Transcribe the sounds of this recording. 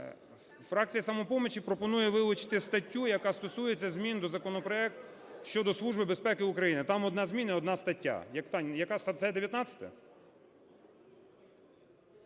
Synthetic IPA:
fɾɑk̚t͡sʲijɐsɐmɔpɔmet͡ʃipɾɔpɔnujɛʋɪlˠʊt͡ʃɪ̥t̪ɪst̪ɐtʲːujɐkɑst̪ɔsujet͡sʲːɐzʲmʲind̪ɔzɐkɔnɔpɾɔɛk̚t̪ | ʃt͡ʃɔd̪ɔslˠuʒbɪbespɛkɪʊkɾɐjinɪt̪ɑmɔd̪nɑzʲmʲinɐɔd̪nɑst̪ɐtʲːa̰jɐkt̪ɑnʲjɐkɑsɛd̪eʋjɐt̪nɑt͡sʲɐ̥t̪ɛ̰

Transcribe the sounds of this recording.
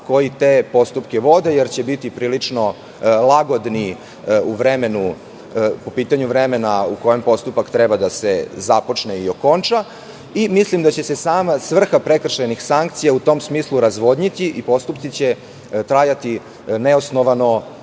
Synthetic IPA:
ko̞jit̪eːpo̞st̪upkeʋo̞d̪ejeɾt͡ɕebit̪ipɾiːlit͡ʂno̞ | lˠaɡo̞d̪ni | uʋɾeme̞nu | po̞piːt̪aɲuʋɾeme̞nauko̞jempo̞st̪upakt̪ɾɛbad̪asezapo̞t͡ʂneio̞ko̞nt͡ʃa | imislimd̪at͡ɕe̞sesaːmasʋr̩xapɾekr̩ʃenixsaŋkt̪sijaut̪o̞msmiːslˠuɾazʋo̞d̪ɲit̪iʔipo̞st̪upt̪sit͡ɕe̞ | t̪ɾajat̪i | neosnoʋano

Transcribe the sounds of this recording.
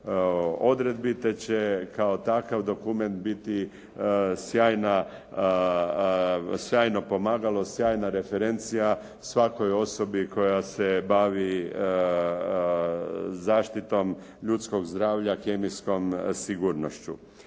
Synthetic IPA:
o̞d̪ɾe̞d̪̚bit̪e̞t͡ɕe̞kao̞t̪akaʋd̪o̞kume̞nt̪bit̪i | sjaːjna | sjaːjno̞po̞maːɡalˠo̞sjaːjnaɾe̞feɾe̞nt̪sija | sʋako̞jo̞so̞biko̞jasebaʋi | zaːʃt̪it̪o̞m | ʎut̪sko̞ɡzd̪ɾaːʋʎakemisko̞msiɡuːɾnoʃt͡ɕṵ

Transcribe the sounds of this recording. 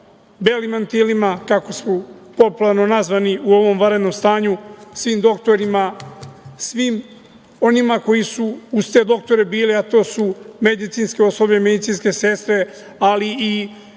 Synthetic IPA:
be̞limant̪ilimakako̞smopo̞pulaɾno̞nazʋaniuo̞ʋo̞mʋaɾed̪no̞mst̪aːɲusʋiːmd̪o̞kt̪o̞ɾima | sʋim | o̞nimako̞jisuːzt̪e̞d̪o̞k̚t̪o̞ɾe̞biːliat̪o̞ːsumed̪it̪sinske̞o̞sobʎeme̞d̪it̪sinske̞se̞st̪ɾe̞ | alii

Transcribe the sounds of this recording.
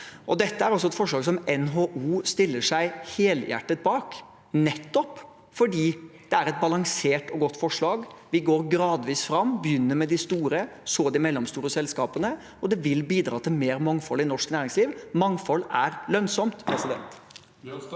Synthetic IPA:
ʔɔd̪ɛt̪ːəæɾɔs̬ɔɛt̪fɔʂɭɑːɡs̬ɔmɛnɦoːʔuːst̪ɪlːəʂæɪheːljæ̰ʈːət̪̚bɑːk | nɛt̪ːɔp | fɔɖiːd̪̥ɛæɾɛt̪̚bɑlɑŋseːʈɔɡɔt̪ːfɔʂɭɑːɡʋɪɡoːɾɡɾɑːd̪ʋiːsfɾɑmːbəjʏnːəɾmɛd̪ɪst̪uːɾə | soːd̪ɪmɛlːɔmst̪uːɾəɔsɛlskɑːpənə | ɔd̪ɛʋɪlbiːd̪ɾɑːt̪ʰɪlmeːɾmɑŋfɔlːɪnɔʂknæːɾɪŋsliːʋmɑŋfɔlːæɾlœnsɔmt̪pʰɾɛsɪd̪ɛ̰nt̪

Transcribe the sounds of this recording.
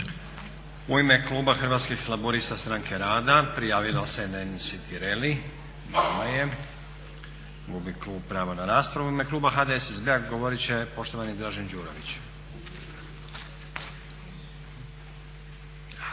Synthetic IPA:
uime̞klˠuːbaxɾ̩ʋaːt̪skixlˠaboɾist̪ast̪ɾaːŋkʰe̞ɾaːd̪apɾijaːʋilosenensit̪iɾeli | namaje̞ | ɡubikluːb̚pɾaːʋanaɾaːspɾaʋuime̞klˠuːbaxad̪eesezbeaɡo̞ʋoɾit͡ɕe̞po̞ʃt̪o̞ʋanid̪ɾaːʒend͡ʒuːɾo̰ʋit͡ɕ

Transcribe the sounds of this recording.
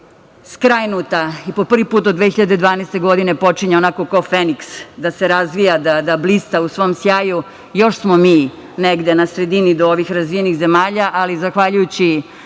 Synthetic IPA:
skɾajnut̪aipo̞pr̩ʋipuːt̪od̪ʋexiʎad̪ed̪ʋaːnest̪e̞ɡo̞d̪ine̞po̞t͡ʃiɲeo̞nako̞kaofeniksd̪ase̞ɾazʋijad̪ad̪ablist̪ausʋo̞msjaːju | jo̞ʃsmomiː | neɡd̪e̞nasɾe̞d̪inid̪ooʋixɾazʋijenixze̞maːʎaʔalizaxʋaʎujut͡ɕi

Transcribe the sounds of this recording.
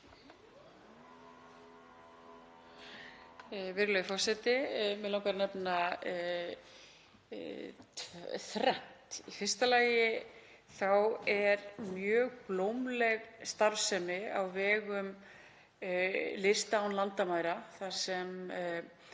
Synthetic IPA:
vɪɾɣlœjfɔ̥sɛt̪ɪmɛðlawŋkaɾnɛpna | t̪ʰvθɾɛn̥t̪ifɪr̥st̪alaːjɪ | θawɛɾmjœːɣplowmlɛɣst̪aɾvsɛmɪawvɛːɣʏm | lɪst̪awnlant̪amaːjɾaθḁsɛm

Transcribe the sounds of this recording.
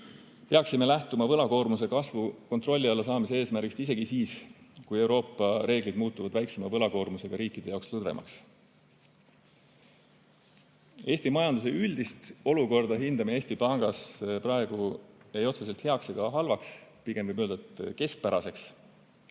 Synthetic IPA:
peɑksime̞læht̪umɑvɤlɑko̞ːrmus̬e̞kɑsvuko̞nt̪ro̞lʲːiɑlːɑsɑːmis̬ee̞ːsmæɾɡikst̪is̬e̞ɡ̥isiːskuje̞wɾo̞ːpːˑɑɾe̞ːɡ̥lid̪muːt̪ːˑuvɑd̪̥væjkse̞mɑvɤlɑko̞ːrmuse̞ɡ̥ɑɾiːkːˑid̪̥eɑokslɤd̪ve̞̰mʔɑ̰ks | e̞ːsʲt̪imɑjɑnd̪us̬e̞yld̪̥ist̪o̞luko̞rd̪̥ɑɦind̪ɑmee̞ːsʲt̪ipɑŋɡ̥ɑsprɑe̞ɡ̥ue̞jo̞t̪ses̬e̞lt̪he̞ɑkseɡ̥ɑɦɑlvɑkspiɡ̥e̞mvɤjbøld̪ɑt̪ke̞sk̚pæɾɑse̞ks

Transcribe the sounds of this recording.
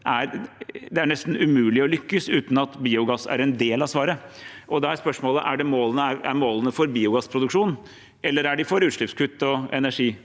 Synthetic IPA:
ʔæɾd̪ɛæɳɛst̪n̩ʉmʉːlɪɔlʏkːəsʉːt̪n̩ɑt̪biːʊɡɑsæ̰ɾɛnd̪eːlɑsʋɑːɾəʔɔd̪ɛæɾspœʂmoːləʔæɖɛmoːlənəæɾæ̰ɾmoːlənəfɔɾbiːʊɡɑsːpʰɾʊd̪ʉkʂuːn | ʔɛlːəɾæɖɪfɔɾʉːt̪ʂlɭɪpskʰʉt̪ːɔɛ̰næʂiː

